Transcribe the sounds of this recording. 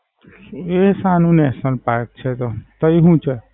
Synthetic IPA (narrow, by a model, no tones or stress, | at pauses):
esanunesʌnpak̚t͡ʃʰet̪ot̪ʌiɦũt͡ʃʰə